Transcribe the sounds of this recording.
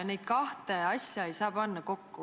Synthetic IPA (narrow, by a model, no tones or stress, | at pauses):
nejd̪̥̚kɑht̪eɑsʲjɑejsɑːpɑnːɑko̞kːu